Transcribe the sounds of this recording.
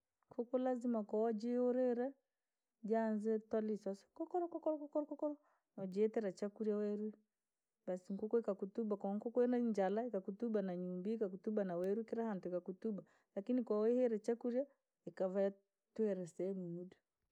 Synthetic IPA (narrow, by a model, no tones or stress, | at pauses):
kʰukɔlazimakawad͡ʒɛɔɾɛɾɛ | d͡ʒanzɛtwalisasɔ̥kɔkɔɾɔkɔkɔɾɔkɔkɔɾɔkɔkɔɾɔ | nɔd͡ʒɛɛtɛɾat͡ʃakuɾjawɛɾi | basiŋkukɔikakutubakwaŋkɔkɔɛnaɲd͡ʒalaikakutubanaɲumbiikakutubanawɛɾukiɾahantuikakutuba | lakinikwawɛhɛɾɛt͡ʃakuɾja | ikavaa | tuɛɾɛsɛɛmuudu